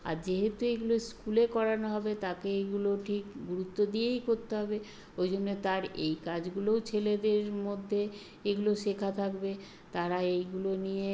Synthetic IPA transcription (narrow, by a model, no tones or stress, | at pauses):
a̰ɾd͡ʑeɦet̪ueɡuloskulekɔɾanoɦɔbet̪akeeɡuloʈʰikɡuɾut̪ːod̪iejkoɾt̪eɦɔbe | ojd͡ʑonːot̪aɾejkad͡ʑɡulowt͡ɕʰeled̪eɾmod̪ʱːe | eɡuloʃekʰat̪ʰakbe | t̪aɾaejɡulonije